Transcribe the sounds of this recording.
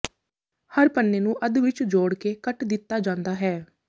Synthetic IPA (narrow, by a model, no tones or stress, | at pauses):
həɾpənːeːnũːʔəd̪ʋɪt͡ʃd͡ʒoːɽkeːkəʈd̪ɪt̪ːaːd͡ʒãːnd̪aːɦɛː